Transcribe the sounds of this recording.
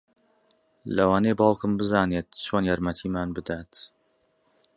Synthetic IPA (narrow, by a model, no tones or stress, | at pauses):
lɐwaːnejbɑːlˠkɨmbɨzaːneːt̪̚t͡ʃʰoːnjaːɾmɐt̪ʰiːmaːnbɨd̪aːt̪